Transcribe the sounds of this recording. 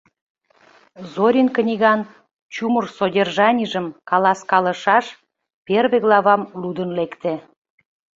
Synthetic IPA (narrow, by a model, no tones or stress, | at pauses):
zoɾʲinkənʲiɣɑn | t͡ɕumərsodʲerʒɑnʲiʒəmkɑlɑskɑlə̆ʃɑʃ | perβeɣlɑβɑmlud̪ənlekt̪e